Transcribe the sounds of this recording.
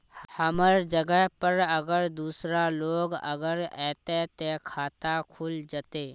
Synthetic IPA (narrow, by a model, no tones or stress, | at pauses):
həməɾd͡ʒəɡəɦpəɾəɡəɾd̪uːsɾaloːɡə̰ɡəɾɛːt̪et̪ekʰaːt̪akʰuld͡ʒət̪eː